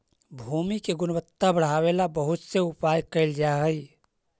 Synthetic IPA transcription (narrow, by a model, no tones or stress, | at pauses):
bʱuːmikeɡʊnəbət̪ːabəɽ̤aːwelabəɦʊt̪seʊpaːjkəɪld͡ʒaɦəi